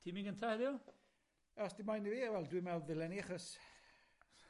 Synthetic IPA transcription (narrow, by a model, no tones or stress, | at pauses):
tʰimiŋɡəntʰahɛðjɔ | ɔsd̥ɪmajniviːawɛlˠdwimɛlˠðɪlɛniaχɔs